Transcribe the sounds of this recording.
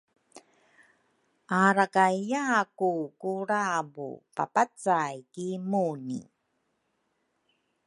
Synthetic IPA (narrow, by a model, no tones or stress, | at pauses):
aɾakajakukuɾabṵpa̰pat͡sajkimunḭ